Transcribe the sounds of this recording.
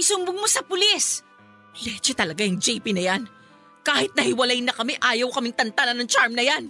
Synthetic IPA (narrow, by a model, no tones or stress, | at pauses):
ɪsʊmbʊŋmosɐpʊlis | lɛt͡ʃɛt̪ɐlɐɡajʊŋd͡ʒɛjpinɐjan | kaːhɪt̪̚nɐhɪwɐlajnɐkɐmɛʔaːjɐwkɐmɪŋt̪ɐnt̪alɐnɐŋt͡ʃaɹmnɐjan